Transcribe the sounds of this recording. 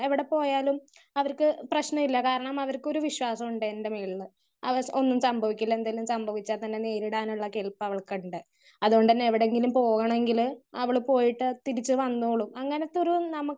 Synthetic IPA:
eʋiɽe̞po̞ːjaːlumɐʋɐrkɨprɐɕnɐmilːɐkaːɾɐɳɐmɐʋɐrko̞ɾuʋiɕwaːsɐmuɳɖɨendemeːɭːɨ | ɐ̰o̞nːumsɐmbʱɐʋikʲːilːɐend̪aːlumsɐmbʱɐʋit͡ɕːaːt̪ɐnːe̞ne̞ːɾiɽaːnuɭːɐkelpːɐʋɐɭkuɳɖɨ | ɐðuɣoɳɖɨnːeʋiɽe̞ŋɡilumpo̞ːɣɐɳɐme̞ŋɡilɐʋiɭpo̞ːjiʈːɨt̪iɾit͡ɕːɨʋɐnːuːɐɭumɐŋːɐne̞t̪ːoɾuumnɐmukː

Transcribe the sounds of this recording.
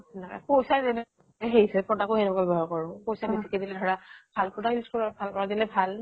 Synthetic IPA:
naka̰pojsatɛnɛ | ɛɦeɹisɛpɹɔtakoɛnɛkabɛbɔɦɔɹkɔɹʊ̃pojsabisikɛdilɛdʱɔɹabʱalpɔtailiskɔbʱalɔɹadilɛbʱal

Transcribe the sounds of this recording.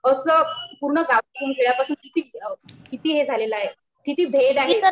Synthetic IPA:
əsəpuɾɳəɡaasuːnkʰeɭjapasuːnkit̪iːkit̪iːɦed͡zʱaleləaɦe | kit̪iːb̪ʱed̪aɦe

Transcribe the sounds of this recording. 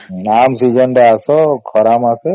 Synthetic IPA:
namsid͡ʒɔnɖɛasɔkʰɔɾamase

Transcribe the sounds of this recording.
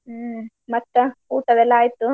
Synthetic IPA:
mɐʈːɐuːʈɐʋɛlːɐaːjit̪ːu

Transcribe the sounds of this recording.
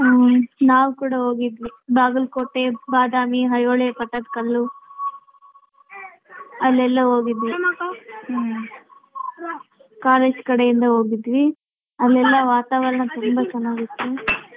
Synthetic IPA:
naːʋukuːɽɐɦo̞ːɡid̪ʋibaːɡulkoːʈːebaːd̪aːmiɦɐjoːɭepɐʈːɐd̪kɐlːu | ɐlːɛlːɐɦoːɡid̪ʋi | kaːleːd͡ʒkɐɽejind̪ɐɦo̞ːɡid̪ːʋi | ɐlːɛlːɐʋaːt̪aːʋɐɾɐɳɐt̪umbɐt͡ʃɐnaːɡit̪ːu

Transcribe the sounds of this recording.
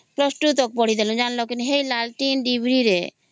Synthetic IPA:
plɔsʈut̪ɔk̚poɽ̤id̪ɛlond͡ʒanlokinuɦejlalʈinɖibʱɾiɾe

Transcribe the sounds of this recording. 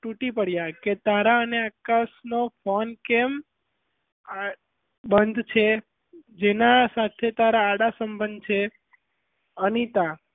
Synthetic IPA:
ʈũʈipəɽjaket̪aɾaəneakasnofʰonkem | a | bənd̪ʱt͡ʃʰe | d͡ʒenasat̪ʰet̪aɾaːɽasəmbənd̪̚t͡ʃʰe | ənit̪a

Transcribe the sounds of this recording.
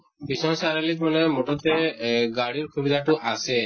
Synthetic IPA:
bisɔŋsaɾalik̪manɛmoʈɔt̪eɡaɽiɾkʰubid̪ʱaʈuʔase

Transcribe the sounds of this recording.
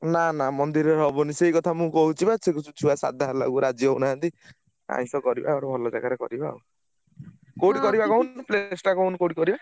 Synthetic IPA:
nanamɔnd̪iɾeɾɔbɔnisejkɔt̪ʰamũkɔɦut͡ʃʰibat͡sʰekusut͡ʃʰubasa̰d̪ʱaɦala̰ɡuɾad͡ʒjɔɦunaɦãnt̪i | a̰ĩsɔkɔɾiba̰ɔɽɔbʱɔlɔd͡ʒaɡaɾekɔɾiba̰u | koɽikɔɾibakɔɦuniplesʈakɔunikoɽikɔɾiba

